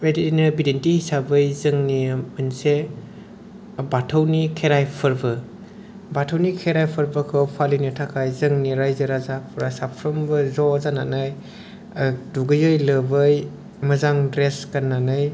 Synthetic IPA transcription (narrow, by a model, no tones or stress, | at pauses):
editinɯbidentihisabɯjzɯŋnimɯnse | batʰəwnikʰeɾajpʰɯɾbɯ | batʰəwnikʰeɾajpʰɯɾbɯkʰɯwpʰalinitʰakʰajzɯŋniɾajzɯɾazapʰuɾasapʰɾɯmbɯzɔzananɯj | duɡɯjɯjlɯbɯj | mɐzaŋdɾeskanːanɯj